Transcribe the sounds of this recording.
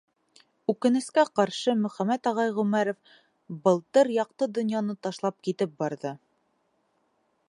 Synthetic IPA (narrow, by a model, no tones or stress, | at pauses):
ʉkɘ̆nɘ̆skæqɑɾʃɤmɵ̆χæmæt̪ɒʁɑjʁʉmæɾŏf | bɤ̆lˠt̪ɤɾjɑq̚t̪ɤd̪ŏnjɑnɤt̪ɑʃlˠɑp̚kit̪ɘp̚bɑɾðɤ